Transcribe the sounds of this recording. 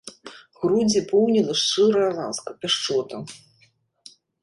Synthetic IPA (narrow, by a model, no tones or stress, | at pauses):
ɣɾud͡zʲipɔwnʲilʲˠɐʂt͡ʂɨɾɐjɐla̰nskɐpʲaʂt͡ʂɔt̪ɐ